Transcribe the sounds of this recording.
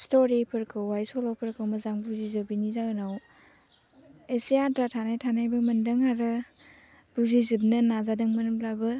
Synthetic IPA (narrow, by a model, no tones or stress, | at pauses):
stoɾipʰɯɾkʰɯwwajsɔlawpʰɯɾkʰɯwmɐzaŋbuzizɯbinizawnaw | esijatɾatʰanajtʰanajbɐmɐndɐŋaɾɯ | buzizɯb̚nɐnazadɐŋmɐnɯmplabɯ